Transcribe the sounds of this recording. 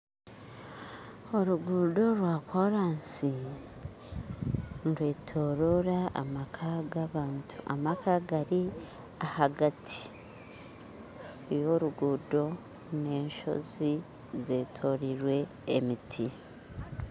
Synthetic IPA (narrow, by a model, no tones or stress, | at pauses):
o̞ɾuɡuːdo̞ɾwaːkoɾaːnsi | nɾwe̞ːtʰo̞ːɾoɾaa̰makʰaɡaβaːntua̰makaɡaɾi | ahaɡatʰi̥ | jo̞ɾuɡuːdo̞ | ne̞ːnʃo̞̰zi | ze̞ːtʰo̞ɾiɾwe̞̰ː | mitʰi